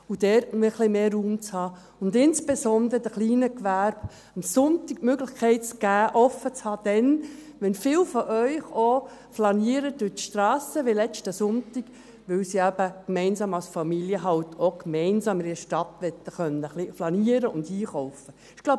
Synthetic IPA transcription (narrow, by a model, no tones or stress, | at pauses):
ud̥ɛɾtmɪχlimeːruːmt͡shɑː | ʊnd̪ɪnsb̥esɔnd̪ɾəd̥̪əχliːnəkʋæɾb̥ | əmsʊnt̪ik̚møɡlɪχkʰɛɪt̚t͡sɡ̥æːʔɔfət͡shɑːd̪̥ɛn | ʋɛnfɪwfɔʔœʏχo | flɑniəɾəd̥ytʃtɾɑːsəʋɪlɛt͡ʃtəsʊntɪɡ̥ | ʋɪwsiæb̥əkmɛɪnsɑːmɑwsfɑmiljəɦɑwt̪ʰokmɛɪnsɑːmɾiəʃtɑt̪ʋɛt̪ːəχœnːəχliflɑniəɾəʊndhiːχɔʊfə | ɪɡ̥la